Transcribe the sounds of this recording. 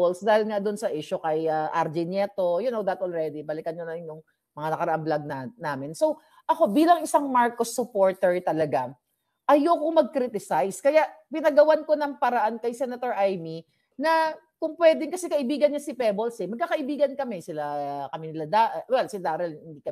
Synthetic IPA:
olsd̪aːhɪlŋad̪ʊnsɐʔiʃʊkɐjɐʔaɾd͡ʒɪnjɛt̪o̞jʊnowd̪ɐt̪ʔolɹɛd̪ibɐlɪkɐnɲʊnɐnjʊŋ | mɐŋanɐkɐɾɐʔaŋblaɡ̚nanaːmɪnso̞ | ʔɐko̞biːlɐŋʔɪsaŋmaɹkosːʊpo̞ɹt̪ɛɹt̪ɐlɐɡa | ʔɐjokoŋmɐɡ̚kɾit̪ɪsajskɐjaʔpɪnɐɡɐwanko̞nɐŋpɐɾɐʔankɐjsɛnɐt̪oɹʔajmi | nɐkʊŋpwɛd̪ɪŋkɐsɛkɐʔɪbiːɡɐnɲasɪpɛbolsɛmɐɡ̚kakɐʔɪbiːɡɐnkɐmɛsɪlakɐmɪnɪlad̪aʔwɛlsɪd̪aːɾɛlhɪnd̪ikɐ

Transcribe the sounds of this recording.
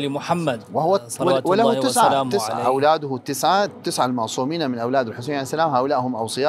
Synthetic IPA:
limʊħamːad̪wɪhʊwa | wwɪlahuɪsʕat̪ːɪsʕa̰ʔawlaːd̪ʊht̪ːɪsʕat̪ːɪsʕalmɑʕsˤuːmiːnamɪnʔawlaːd̪ɪlħʊs̬eːnʕaleːsːalaːmɦaːʔʊlaːʔhʊmʔɑ̰wsˤɨjɑː

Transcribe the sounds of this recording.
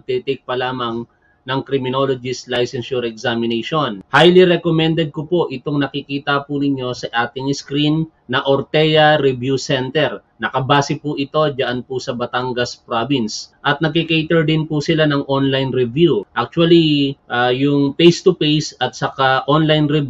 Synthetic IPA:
ɡ̚t̪ɛt̪ɛjk̚pɐlaːmɐŋ | nɐŋkɾɪmɪno̞lod͡ʒɪslajsɛnʃʊɾɛksamɪnɛjʃonhajliɾɛkomɛnd̪ɛd̪̚kopo̞ʔɪt̪oŋnɐkikiːt̪ɐpʊnɪɲːo̞sɐʔaːt̪ɪŋɪskɾinː | ɐʔoɾt̪ɛjɐɾɛvjusɛnt̪ɛɾ | nɐkɐbaːsɪpʊʔɪt̪o̞d͡ʒɐʔanpʊsɐbɐt̪aŋɡɐspɾobɪnsʔɐt̪nɐɡkikijt̪ɛɹd̪ɪnpʊsɪlanɐŋʔonlajnɾɛvjuʔak̚t͡ʃʊwɐliʔaːjʊŋpejst̪upejsɐt̪̚sɐkaʔonlajnɾɛb

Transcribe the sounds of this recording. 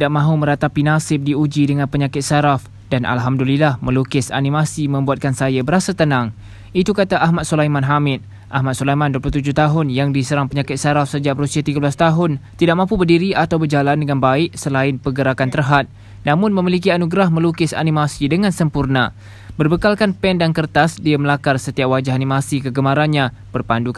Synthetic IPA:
t̪idaʔ̚mãɦumə̃ɾat̪apinasɪp̚diud͡ʒidəŋãnpəɲãkɪt̪̚saɾaf | danʔa̰lɦamdulilahmə̃lukɪsa̰nĩmasimə̃mbuat̪̚kansajabəɾasat̪ənãŋ | it̪ukat̪aʔaɦmat̪̚sulajmãnɦamɪt̪̚ | ʔaɦmat̪sulajmãnduəpluht̪ud͡ʒʊht̪aɦʊnjaŋdisəɾaŋpəɲãkɪt̪̚saɾafsəd͡ʒabɾusiat̪iɡəbəlast̪aɦʊnt̪idaʔ̚mãmpubərdiɾiʔat̪awbərd͡ʒalandəŋanbaɪʔsəlaɪnpəɡəɾakant̪ərɦat̪̚ | nãmʊnmə̃milik̬ianuɡɾahmə̃lukɪsa̰nĩmasidəŋãnsəmpurna | bərbəkalkanpɛndankərt̪asdiaməlakarsət̪iap̚wad͡ʒaɦanĩmasikəɡəmaɾanɲã | b̥ərpanduk

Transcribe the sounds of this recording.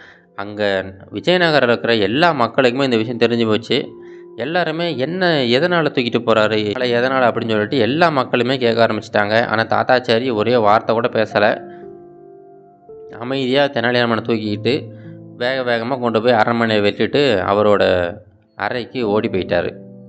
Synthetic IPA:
ɐŋɡɐʋɪd͡ʒɐjɐnɐɣɐɾɐlɯkːɯɾɐɛlːaːmɐkːɐɭɯkːɯmeːɪnd̪ɐʋɪʂɐjɐ̃t̪ɛɾɪɲd͡ʒɯpoːt͡ʃːɯ | ɛlːaːɾɯmeːɛnːɐɛðɐnaːlɐt̪uːkːɪʈːɯpːoːɾaːɾɯɛlɐɛðɐnaːlɐpːɐɽɪnsɔlːɪʈːɯɛlːaːmɐkːɐɭɯmeːkeːkːaːɾɐmbɪt͡ʃːɪ̥ʈːaːŋɡɐʔa̰ːnaːt̪a̰ːt̪aːt͡ʃːaːɾɪjɐɔɾeʋaːɾt̪ɐkuːɽɐpeːsɐlɐ̰ | ɐ̰mɐɪðɪjaːt̪ɛnːaːɭɪjaːnɐmɐːnɐt̪uːkɪɪʈːɯʋeːɣɐʋeːɣɐmaːkɔɳɖɯpoːjaːɾɐmɐnɐɐʋɛʈːɪʈːɯɐ̰ʋɐɾoːɽɐ | ɐ̰ɾɐɪkːɯoːɽipoːjɪʈːaːɾɯ̰

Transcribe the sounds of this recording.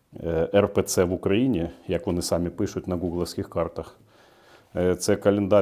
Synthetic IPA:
ɛrpɛt̪sɛʋʊkɾɐjinʲijɐkʋɔnɪsɑmʲipɪʃʊt̚ʲnɐɡuɡlˠɐwsʲkʲɪxkɑrt̪ɐx | t̪sɛkɐlʲɪnd̪ɑ

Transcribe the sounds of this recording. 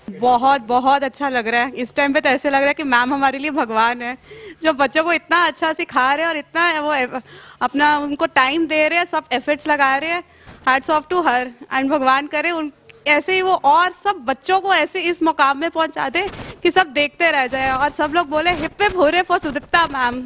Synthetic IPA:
bɔɦɔt̪̚bɔɦɔt̪ɐtːʃʰalɐɡɾaɦɛːɪsʈaːɪmpet̪ɛːselɐɡɾaɦɛkimɛːmɦɐmaːɾeliebʱɐɡʋaːnɦɛːd͡ʒoːbɐtːʃõkoɪt̪naɐtːʃʰasekʰaːɾɛ̃ɔːɾɪt̪̚naʋoɐpnaʊnkoʈaːɪmd̪eːɾeɛ̃sɐbefəɾʈslɐɡaːɾeɛ̃ː | haːɾɖsɔːfʰʈuɦɐɾɛ̰̃ːɳɖbʱɐɡʋaːnkɐɾẽʊnɛːseɦiʋoʔɔːɾsɐbːɐtːʃõkoɛːseɪsmɔkaːmːẽpɔ̃ːnt͡ʃa̰ːd̪ekisɐb̚d̪eːk̚ʰt̪eɾɛɦd͡ʒaːeɔːɾsɐbloːɡ̚boːlẽɦɪpːebʱuːɾefɔːɾsʊd̪ɪt̪amɛːm

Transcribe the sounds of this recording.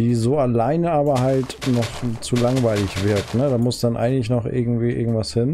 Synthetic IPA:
d̥iːzoːalaɪnəaːbɐɦalt | nɔχt͡sulaŋvaɪlɪçv̥ɪɐktnədaːmʊsd̥anʔa̰ɪɡŋ̩tlɪçnɔχʔɪ̰ɐɡŋ̩tv̥iːʔɪ̰ɐɡŋ̩tv̥ashɪn

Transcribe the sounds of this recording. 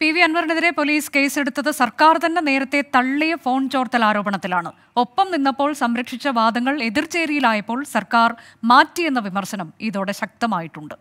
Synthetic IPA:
piʋiɐnʋɐɾneðiɾe̞po̞liːske̞ːse̞ɽut̪ːɐðɨsɐrkaːrt̪ɐnːene̞ːɾɐt̪ːe̞t̪ɐɭːijɐfo̞ːɳt͡ɕo̞ːrt̪ɐlaːɾo̞ːbɐɳɐt̪ːilaːɳɨ | o̞pːɐmninːɐpːo̞ːɭsɐmɾɐkʂit͡ɕːɐʋaːd̪ɐŋːɐɭe̞ðirt͡ɕe̞ːɾijilaːjɐpːo̞ːɭsɐrkaːrmaːtːije̞nːɐʋimɐrɕɐnɐmiðo̞ːɽe̞ɕɐk̚t̪ɐmaːjiʈːuɳɖɨ

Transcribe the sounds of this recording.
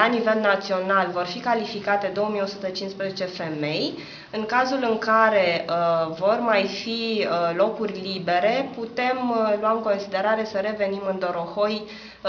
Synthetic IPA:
anive̞lnat̪sio̞nalvo̞rfikalifikat̪e̞d̪o̞womijo̞sut̪ət͡ʃinspɾezet͡ʃe̞fe̞me̞j | ɨŋkazulɨŋkaɾe̞vo̞rmajfilo̞kurʲlibe̞ɾe̞put̪e̞mluamɨŋko̞nsid̪e̞ɾaɾe̞səɾe̞ve̞nimɨnd̪o̞ɾo̞xo̞j

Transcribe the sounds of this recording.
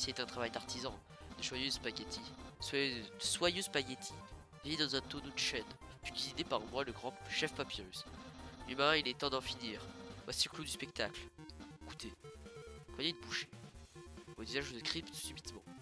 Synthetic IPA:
siet̪ɛ̃t̪χavajd̪aʁt̪ʰizɑ̃ | d̪̥əʒwajøzpakʲet̪ʰisd̪əswajøzpaket̪ʰi | vijed̪ɑ̃zɛ̃t̪onod̪əʃɛn | p̪yɡʲizid̪epaʁmwaləɡʁɑ̃ʃɛfpapiʁyslimaʁɛ̃ilɛt̪ɑ̃d̪ɑ̃finiːʁvwa̰siklod̪yspɛkt̪akleku̥t̪ʰe | kɔnɛd̪əbuʃe̥ | võd̪izãʒzəkχipt̪sybit̪mɑ̰̃

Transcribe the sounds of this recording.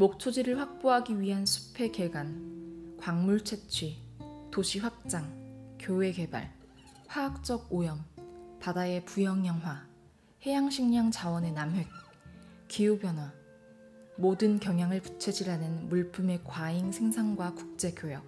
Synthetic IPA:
mok̚t͡ɕʰod͡ʑiɾɯɭɸwak̚p͈oɦaɡiɥiɦansʰu̥pʰe̞ke̞ɡankwaŋmuɭt͡ɕʰet͡ɕʰɥitoɕʰiɸwak̚t͡ɕ͈aŋkjowe̞ke̞ba̰ɭ | ɸwaːk̚t͡ɕ͈ʌɡojʌmpadae̞pujʌŋjʌŋwa | he̞jaŋɕʰiŋɲaŋt͡ɕawʌne̞namɦe̞k̚ | k͈ijupjʌnɦwa | modɯnkjʌŋɦjaŋɯɭpu̥t͡ɕʰed͡ʑiɾanɯnmuɭpʰume̞kwaiŋsʰe̞ŋsʰaŋɡwakuk̚t͡ɕ͈e̞ɡjojʌk̚

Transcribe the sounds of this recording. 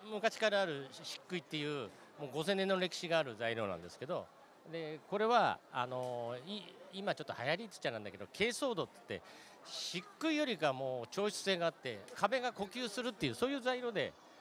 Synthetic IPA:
mɯ̟kaɕi̥kaɾaːɾɯ̟ɕi̥kːɯ̟it̪ːe̞jɯ̟ː | mo̞ːɡo̞zẽ̞nːenːoɾe̞kʲi̥ɕiɡaːɾɯ̟zaiɾo̞̰nã̰nd̪e̞sɨ̥ke̞d̪o̞̰ | d̪e̞ko̞ɾe̞βaa̰no̞iimat͡ɕo̞t̪ːohajaɾʲit͡sɨ̥t͡ɕanãnd̪a̰ke̞d̪o̞̰kʰe̞ːso̞ːd̪o̞t̪t̪ːe̞̰ | ɕikːɯ̟ijo̞ɾʲiɡamo̞ːt͡ɕo̞ːɕɨ̥se̞ːɡaːt̪ːe̞̰kʰabe̞ɡako̞kʲɨːsɨɾɯ̟t̪ːe̞jɯ̟ːso̞ːjɯ̟ːzaiɾo̞ːd̪e̞̰

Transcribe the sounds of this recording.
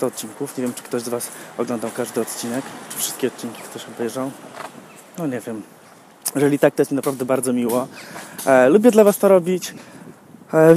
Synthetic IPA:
t̪ɔt̪̚t͡ɕiŋkufɲevjɛmt͡ʂɘ̥kt̪ɔʑzvasɔɡlɔnd̪awkaʐd̪ɘɔt̪̚t͡ɕinɛkt͡ʂɨ̥fʂɘst̪̚kʲɛɔt̪̚t͡ɕiŋkʲi̥kt̪ɔɕɔbɛjʐaw | nɔɲɛvʲjɛm | jɛʐɛlʲit̪ak̚t̪ɔjɛt̪mʲɛnapɾavd̪ɛbaɾd̪zɔmʲiwɔ | lubʲjɛd̪lavast̪ɔɾɔbʲit͡ɕ

